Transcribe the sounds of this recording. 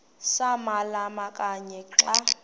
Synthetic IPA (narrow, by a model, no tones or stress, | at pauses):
samalamakʼaɲɛǁa